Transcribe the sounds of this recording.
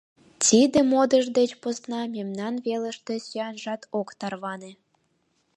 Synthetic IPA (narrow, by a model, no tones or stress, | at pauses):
t͡sʲid̪ĕmod̪ə̆ʒd̪et͡ɕpŏsnɑmʲemnɑnβelə̆ʃt̪ĕsyɑnʒɑt̪okt̪ɑrβɑne